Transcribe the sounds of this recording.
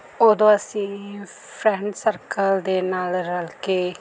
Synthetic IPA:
oːd̪õːəsĩː | pʰɾɛ̃ːɳɖsəɾkəld̪eːnaːlɾəlkeː

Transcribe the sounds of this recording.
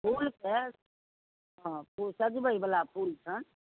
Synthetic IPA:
pʰulke | ɦãpusad͡ʒibəibəlapʰult͡ʃʰən

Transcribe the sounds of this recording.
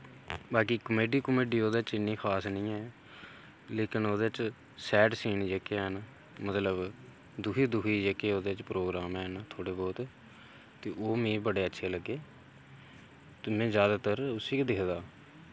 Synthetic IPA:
baːkiːkəmeːɖiːkəmeːɖiːoːd̪eːt͡ʃɪnːĩːkʰaːsnəĩːɛː | leːkɪnoːd̪eːt͡ʃ | sɛːʈsiːnd͡ʒeːkenː | mət̪ləb | d̪ʊkʰiːd̪ʊkʰiːd͡ʒeːkeːoːd̪eːt͡ʃpɾoːɡɾaːmɛːnːt̪ʰoːɽeːbɔːt̪ | t̪eːʔoːmĩːbəɽeːətːʃʰeːləɡːeː | t̪ːmɛ̃ːzjaːd̪aːt̪əɾʊsiːkd̪ɪkʰd̪aː

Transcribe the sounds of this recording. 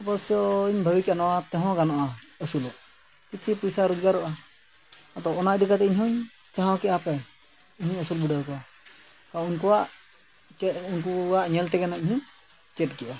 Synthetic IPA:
bɔsɔiɲbʱəbikɛanɔwat̪ɛɦɔ̃ɡanɔʔaəsulɔ | kit͡ʃʰipujsaɾud͡ʒɡaɾɔʔa | ɔt̪ɔɔnaʔd̪ɛkat̪ɛiɲɦɔɲ | t͡ʃaɦãwkɛʔapɛ | iɲɔɲəsulbiɖakɔwa | kaunkɔwaʔ | unkuaʔɲɛlt̪ɛɡanaiɲhu | t͡ʃɛt̚ˀkɛʔa

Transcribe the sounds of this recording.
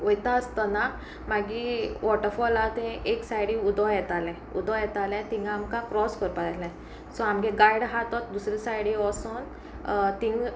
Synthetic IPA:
ojt̪aəst̪ana | maɡiʋɔʈəɾfɔlat̪ɛ̃eksajɽiud̪ɔjɛt̪alɛ̃ | ṵd̪ʱɔ̃jɛt̪alɛ̃t̪ĩŋɡamkakɾɔskəɾpaalɛ̃ | sɔamɡẽɡajɽɦat̪ɔt̪̚d̪usɾisajɽiɔsɔn | t̪ĩŋɡ

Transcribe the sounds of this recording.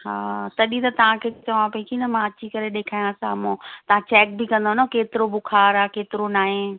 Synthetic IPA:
haːt̪ɐɗit̪ɐt̪ɐʋ̤ãkʰeːt͡ɕɐʋãpɐikʰinɐmãɐt͡ɕʰikɐɾeɗeːkʰaːjãsa̰ːmõt̪ɐʋ̤ãt͡ɕɛːk̚bɪkɐ̃nd̪onokeːt̪ɪɾobʊkʰaːɾaːkeːt̪ɪɾonaːɦẽ

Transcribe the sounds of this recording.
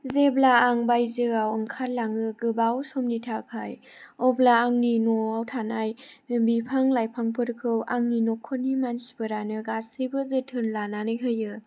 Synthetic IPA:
zeblaːŋbajzɯɡawɯŋkʰaɾ̚laŋɯɡɯbawsɔmnitʰakʰaj | ɔblaːŋninɔawtʰanajbipʰaŋlajpʰaŋpʰɯɾkʰɯwʔaŋninɔkʰɔnːimansi̥bɯɾanɯɡasɯjbɯzɯtʰɯnlananɯjɦɯjɯ

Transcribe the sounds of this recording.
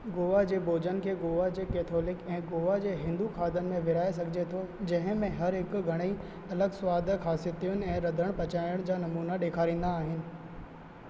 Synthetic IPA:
ɡoːʋad͡ʑeːboːd͡ʑənɪ̆kʰeːɡoːʋad͡ʑeːkeːt̪ʰoːlɪkɛ̃ːɡoːʋad͡ʑeːɦɪ̃nd̪uxaːd̪ənɪ̆mẽʋɪɾaːes̬ɐɡʱɪd͡ʑet̪ʰod͡ʑɐ̃ɦɪ̃mẽɦɐɾɦɪkɡʱɐɽ̃i | ɐləɡsʊʋaːd̪ʱxʰaːsɪət̪ʰijʊnɪ̆ɛ̃ːɾɐd̪ʱəɽ̃pɐt͡ɕaːɪəɽ̃d͡ʑaːnɐmuːnaɗeːkʰaːɾĩːn̆d̪aːɦɪnɪ̆

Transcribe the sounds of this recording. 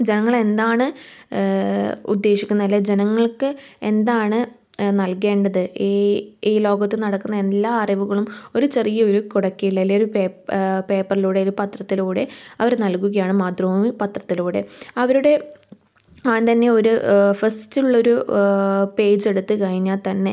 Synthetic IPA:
d͡ʑe̞nɐŋːɐɭe̞nd̪aːɳɨ | ṵd̪ːe̞ːɕikʲːunːɐilːɐd͡ʑe̞nɐŋːɐɭkɨe̞nd̪aːɳɨ | nɐlke̞ːɳɖɐðɨ | iːlo̞ːɡɐt̪ːɨnɐɽɐkːunːɐe̞lːaːɐrɐʋuɣɐɭumo̞ɾut͡ɕe̞rijɐo̞ɾukuɽɐkːijiɭːɐilːeoɾupeːpe̞ːpːɐriluːɽeoɾupɐt̪rɐt̪ːiluːɽe̞ɐʋɐɾenɐlkuɣɐjaːɳɨmaːt̪rɐmupɐt̪rɐt̪ːiluːɽe̞̰ɐʋɐɾuɽe̞ | aːnt̪ɐnːe̞o̞ɾufɐstiuɭːɐo̞ɾu | pe̞ːd͡ʑe̞ɽut̪ːɨkɐɻiɲːaːlt̪ɐnːe̞

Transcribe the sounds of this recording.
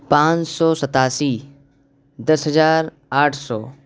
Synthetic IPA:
pãːt͡ʃsɔːsət̪aːsiː | d̪ɐsɦəzaːɾ | aːʈʰsɔː

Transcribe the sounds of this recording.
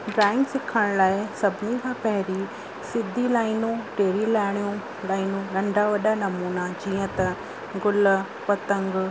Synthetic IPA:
ɖɾaːɪ̃ŋɡsɪkʰəɽ̃laːɪsɐbʱɪnikʰãːpɐɦɪɾi | sɪd̪ʱːilaːɪnũʈeːɾilaːɪɽ̃ijũ | laːɪnũɾɐ̃ɳɖaʋɐɗanɐmuːnad͡ʑiːə̃t̪ɐ | ɡʊl | pɐt̪ə̃ŋɡ

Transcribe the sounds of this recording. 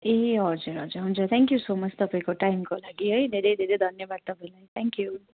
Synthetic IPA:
eɦʌd͡zuɾɦʌd͡zuɾɦũnt͡sʰʌt̪ʰãŋkjusomʌt͡st̪ʌpaĩkoʈajmkolaɡiɦʌjd̪ʱeɾʌjd̪ʱeɾʌjd̪ʱʌnjʌbad̪̚t̪ʌpaĩlait̪ʰɛŋkju

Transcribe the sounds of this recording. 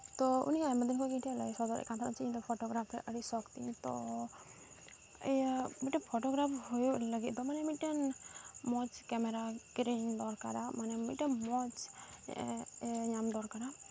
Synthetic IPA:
t̪ɔṵniajməd̪inkʰɔjkĩʈʰɛla̰isɔd̪ɔɾɛ̰kant̪ʰaɾɔt͡ʃiĩd̪ɔpʰɔʈɔɡɾap̪̚ʰɛʔəɽisɔkt̪ḭnt̪ɔ̰ | miʈəpʰɔʈɔɡɾapʰɦujuləɡit̪̚d̪ɔmanɛmiʈənmɔt͡ʃkɛmɛɾakɾiŋd̪ɔɾka̰ɾamanɛmiʈəmɔt͡ʃ | ɲamd̪ɔɾkaɾa

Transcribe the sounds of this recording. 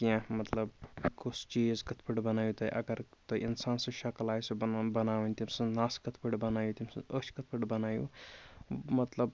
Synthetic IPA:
kiãmɐt̪lɐbkʰusʰt͡ʃiːzkɐt̪ʰpʰəʈbɐnaːjut̪ɐʔɐ̰ɡɐɾt̪ɐʔinsaːnsɐ̃ʃɐklaːjsɐbɐnaːʋənʲt̪imsɐ̃naːskɐt̪ʰpʰəʈbɐnaːjut̪imsɐ̰̃ət͡ʃʰkɐt̪̚ʰpʰəʈbɐnaːjṵ | mɐt̪ləb

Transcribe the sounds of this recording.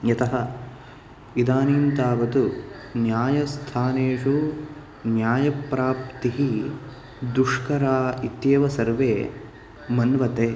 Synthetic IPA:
jɐt̪ɐɦɐ̆ | id̪aːniːnt̪aːʋɐt̪u | njaːjɐst̪ʰaːneːʂu | njaːjɐpɾaːpt̪iɦi | d̪uʂkɐɾaːit̪jeːʋɐsɐɾʋeː | mɐnʋɐt̪eː

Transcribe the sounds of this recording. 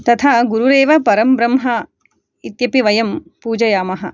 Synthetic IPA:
t̪ɐt̪ʰaːɡuɾuɾeːʋɐpɐɾɐmbɾɐmɦɐ | it̪jɐpiʋɐjɐm | puːd͡ʒɐjaːmɐɦɐ̆

